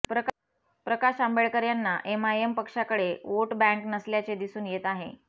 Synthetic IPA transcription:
pɾə | pɾəkaɕambeɭkəɾjanːaʔemaempəkʂakəɽeʋoʈbɛ̃ŋknəsljat͡sed̪isuːnjet̪aɦḛ

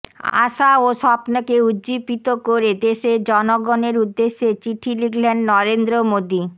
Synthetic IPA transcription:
a̰ʃaoʃɔpnokeudd͡ʑibit̪okoɾed̪eʃed͡ʑɔnoɡoneɾud̪ːeʃːet͡ɕiʈʰiliɡlɛɳɖnɔɾend̪ɾomod̪i

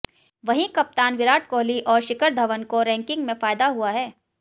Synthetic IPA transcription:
ʋɐɦĩkɐp̚t̪aːnʋɪɾaːʈ̚koːliʔɔːɾʃɪkəɾd̪ʱɐʋənkoɾɛ̃ːŋkɪ̃ŋɡmẽfaːjd̪aɦuaɦɛː

